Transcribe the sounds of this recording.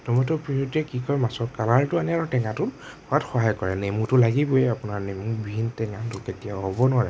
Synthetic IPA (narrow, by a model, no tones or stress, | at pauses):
tɔmɔtɔpɹijotiɛkikɔɹmasɔtkalaɹtʊanɛaɹutɛŋãtʊt | ɔatxɔɦajkɔɹɛnemutʊlaɡibɔjɛapʊnaɹnemubʱiintɛŋatʊketijaɦɔbɔnʊaɹɛ